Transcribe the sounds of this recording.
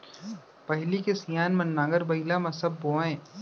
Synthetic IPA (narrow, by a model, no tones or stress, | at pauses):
pɐɦlikesijaːnmɐnːaːɡəɾbɐɪlamɐsəbːoːẽː